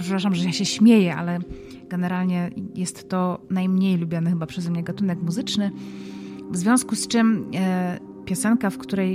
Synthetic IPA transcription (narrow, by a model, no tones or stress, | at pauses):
pʂɛpɾaʂamʐɛjaɕɛɕmʲjejɛʔa̰lɛ | ɡ̥ɛnɛɾalɲɛjɛst̪ːɔnajmɲejlubʲjɔnɛxɘbapʂɛzɛmɲɛɡat̪unɛkmuzɘt͡ʂnɘ | vzvʲjɔ̃w̃skust͡ʂɘm | pʲjɔsɛnkafkt̪uɾɛj